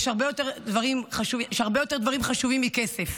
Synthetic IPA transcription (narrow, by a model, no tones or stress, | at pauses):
ʃhaʁbe̞jo̞t̪eʁd̪vaʁimχaʃuiʃaʁbejo̞t̪e̞ʁd̪vaʁimχaʃuvimːikesef